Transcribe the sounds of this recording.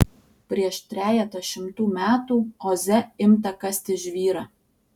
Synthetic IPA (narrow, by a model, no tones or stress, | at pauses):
pʲɾʲiɛʃt̪ʲɾʲæːlʲɛt̪ɐʃʲɪmt̪uːmʲæːt̪uːoːzʲɛɪmt̪ɐkɐsʲt̪ʲɪʒʲʋʲiːɾɑː